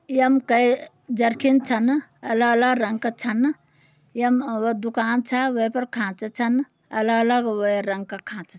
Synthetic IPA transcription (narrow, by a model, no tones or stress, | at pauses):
jəmkəj | d͡ʒɐɾkʰint͡ʃʰɐnɐləɡələɡɾɐŋɡkɐt͡ʃʰɐn | jəmd̪ukaːnt͡ʃʰɐʋəpɐɾkʰãːt͡ʃt͡ʃʰɐn | ɐləɡɐləɡʋəiɾɐŋɡ̚kɐkʰãːt͡ʃ